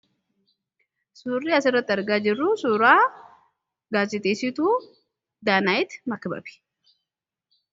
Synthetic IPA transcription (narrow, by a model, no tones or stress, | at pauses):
suːrːiːɐsɪrːɐt̪ːɪɐɾɡaːd͡ʒɪrːusuːɾaː | ɡaːsɪt̪eːsɪt̪ʊu | d̪aːnaːjɪt̪mɐkbɐ̰bɪ̥